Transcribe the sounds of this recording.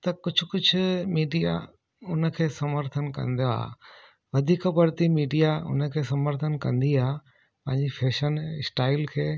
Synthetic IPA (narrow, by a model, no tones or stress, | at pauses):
t̪ɐkʊd͡ʑʱʊkʊd͡ʑʱʊmiːɖija̰ | ʊnə̆kʰeːsɐməɾt̪ʰənkɐ̰̃nd̪joa̰ː | ʋɐd̪ʱiːkəbɐɾt̪imiːɖijaʊ̰nəkʰeːsɐməɾt̪ʰənkɐ̃nd̪iaː | pɐ̃ɦɪ̃ɲd͡ʑipʰeːʃənɪsʈaːɪlkʰeː